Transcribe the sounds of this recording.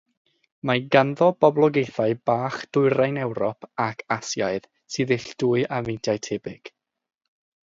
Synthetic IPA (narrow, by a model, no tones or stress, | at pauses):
maɡanðɔbɔblˠɔɡejθaɨb̥aːχd̥ʊɨɾajnɛwɾɔpʰakʰasjaɨð | sɨːðɪɬd̥ʊɨavejntʰjajtʰɛbɪɡ̥